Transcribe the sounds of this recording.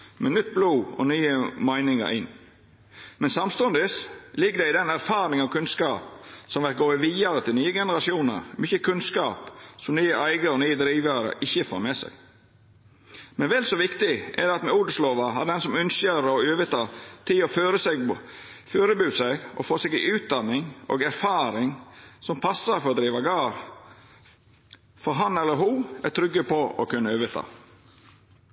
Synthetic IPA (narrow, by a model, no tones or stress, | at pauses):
mɛnʏt̪̚ːbluːɔ̰nyːəmæɪnɪŋə̰ɾɪ̰nː | mɛnsɑmst̪ɔnd̪ɪslɪɡːəd̪ɛɪd̪ɛnæɾfɑːɾɪŋɑʋkʰʉnskɑːpsɔmʋɛt̪̚ɡoːəʋiːɑɾət̪ʰɪlnyːəɡɛnəɾɑsɪuːnə̰ɾmʏçəkʰʉnskɑːpsɔmnyːəʔæɪɡəɔnyːəd̪ɾiːʋəɾə̰ʔɪçːəfo̰ːɾmɛsɛ̰ɡ | mɛnʋɛlsɔʋɪkt̪ɪʔɛ̰d̪ɑt̪mɛuːɖəsloːʋɑɦɑd̪ɛnsɔmʉnsəɾɔøːʋət̪ʰɑːt̪ʰɪlɔføːɾəsɛɡføːɾəbʉːsɛɡɔ̰foːsɛɡɪʔʉːt̪̚d̪ɑnːɪŋo̰ɡæɾfɑːɾɪŋsɔmpʰɑsːəɾfɔɾɔd̪ɾiːʋɑɡɑːɾ | fɔɾɦɑnɛlːəɾɦuːæt̪ʰɾʏɡːəpʰɔʔɔkʰʉnːəøːʋət̪ʰɑ̰ː